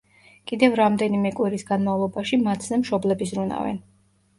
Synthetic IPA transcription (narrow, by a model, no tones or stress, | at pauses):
kʼid̪ɛvɾamd̪ɛnimɛkʼwiɾisɡanmavlˠɔbaʃimat̪ʰzɛmʃɔblɛbisɾuna̰vɛ̰n